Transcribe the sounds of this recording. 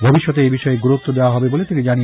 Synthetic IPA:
bʱobiʃːɔt̪̬eebiʃɔeɡuɾut̪ːod̪eoaɦɔbebolet̪inid͡ʑani

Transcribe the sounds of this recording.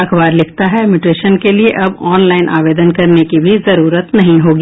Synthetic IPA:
ɐkʰbaːɾlɪkʰt̪aɦɛmɪʈeːʃənkelieʔɐbɔːnlaːɪnʔa̰ːʋeːd̪ənkɐɾnekibʱizɐɾuːɾət̪nɐɦĩɦoːɡiː

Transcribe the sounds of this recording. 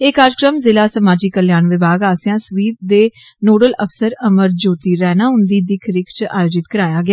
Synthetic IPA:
eːkaːɾkɾəmzɪlaːsəmaːd͡ʒiːkəljaːnʋɪbaːɡaːsjãːsʋiːp̚d̪eːnoːɖələpʰsəɾəməɾd͡ʒoːt̪iːɾɛːnaːɦʊnd̪iːd̪ɪkʰɾɪkʰt͡ʃaːjoːd͡ʒɪt̪kəɾaːjaːɡɪaː

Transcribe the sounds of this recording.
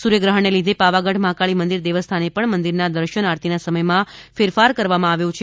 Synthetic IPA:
suɾjəɡɾəɦəɳːelid̪ʱepaʋaɡəʈmãkaɭimənd̪iɾd̪eʋəst̪ʰanepəɳmənd̪iɾnad̪əɾʃənaɾt̪inasəməjmãfeɾfaɾkəɾʋamãaʋjõt͡ʃʰ

